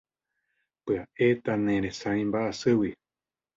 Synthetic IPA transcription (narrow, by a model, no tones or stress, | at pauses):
pɨaʔe̞t̪anẽɾẽsãĩmbaʔasɨwi